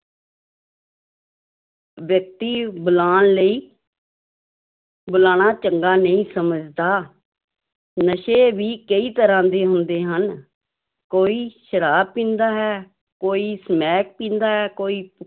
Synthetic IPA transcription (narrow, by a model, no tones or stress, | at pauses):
ʋjək̚t̪iːbʊlaːnləiː | bʊlaːɽ̃aːt͡ʃəŋɡaːnəĩːsəməd͡ʒd̪aː | nəʃeːʋiːkəiːt̪əɾãːd̪eːɦʊnd̪eːɦən | koːiːʃəɾaːb̚pːĩːnd̪aːɦɛː | koːiːsəmɛːk̚pĩːnd̪aːɦɛːkoːiːp